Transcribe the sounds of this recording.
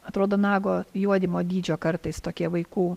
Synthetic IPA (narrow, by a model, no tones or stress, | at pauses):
ɐt̪ɾoːd̪oːnɑːɡoːjuɔd̪ʲɪmoːd̪ʲiːd͡ʒʲoːkɐɾt̪ɐɪst̪oːkʲiɛʋɐɪkuː